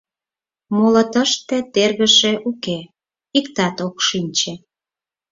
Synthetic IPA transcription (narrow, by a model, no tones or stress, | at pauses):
molət̪əʃt̪et̪erɣəʃeʔuke | ikt̪ɑt̪okʃinʲt͡ɕe